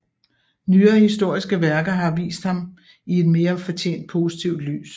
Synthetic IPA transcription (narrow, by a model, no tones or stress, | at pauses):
nyːɐːhisd̥o̝ɐ̰isɡ̥əʋæɐɡ̥ɐɦɑ̈ʋḭːsd̥hɑ̈m | ie̝d̥me̝ːɐfɒt͡ɕʰḛːnd̥̚pʰo̝sit͡sʰiʊd̥ly̰ːs